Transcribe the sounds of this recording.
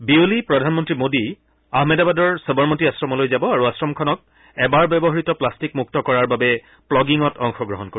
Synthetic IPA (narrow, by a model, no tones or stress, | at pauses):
biulipɹɔdʱanmɔntɹimodi | aɦmɛdabadɔɹsɔbɔɹmotiasɹɔmɔlojzabɔaɹuasɹɔmkʰɔnɔk̚ | ɛbaɹbɛbɔɦaɹitɔplastikmuk̚tɔkɔɹaɹbabɛ | plɔɡiŋɔtɔŋxɔɡɹɔɦɔnko